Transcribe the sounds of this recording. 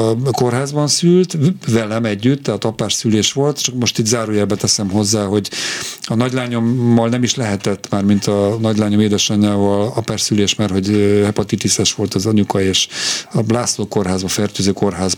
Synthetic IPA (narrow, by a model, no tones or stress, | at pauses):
ko̞rɦaːzbɒnsylt̪vɛlɛmɛɟːyt̪ːɛɦaːt̪ɒpaːrsyleːʃʋo̞lt̪t͡ʃɒkmo̞ʃt̪iːt̪zaːɾuːjɛbɛt̪ɛsɛmɦo̞zːaːɦo̞ɟɒnɒɟlaːɲo̞mːɒlnɛmiʃlɛɦɛt̪ɛt̪ːmaːrmint̪ɒnɒɟlaːɲo̞meːd̪ɛʃɒɲaːvɒlɒpaːrsyleːʃmaːrho̞ɟhɛpɒt̪it̪isɛʃʋo̞lt̪ɒzɒɲukɒeːʃɒblaːsloːko̞rɦaːzbɒfɛrt̪øːzøːko̞rɦaːz